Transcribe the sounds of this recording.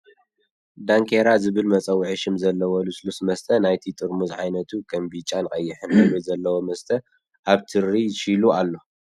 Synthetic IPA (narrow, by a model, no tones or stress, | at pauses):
d̪aŋkʰeɾazɨβɨlmɐt͡sʼɐwʕɨʃɨmzɐlːɐwɐluslusmɐst̪ʰɐnajt̪ʰit̪ʼɨɾmuzʕajnɐt̪ʰukʰɐmbit͡ʃʼːanɨχʼɐjːɪħɨnawojzɐlːɐwomɐst̪ʰɐ | ʔaβt̪ʰɨɾːiʃilualːo̞